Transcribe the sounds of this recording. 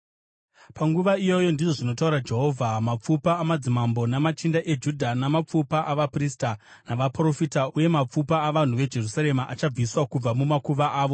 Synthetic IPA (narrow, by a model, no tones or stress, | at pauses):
paŋɡuʋaijo̞jo̞ndiʐo̞ʐino̞tauɾad͡ʒe̞ɦo̞ːvʱamap͡fupaːmad͡zimambo̞namat͡ʃindaʔe̞d͡ʒudʱanamap͡fupaʔaʋaprista | naʋapro̞fitauje̞map͡fupaːʋan̤uʋe̞d͡ʒe̞rusaɾe̞maʔat͡ʃab͡viswakub͡vamumakuʋaʔaːʋo̞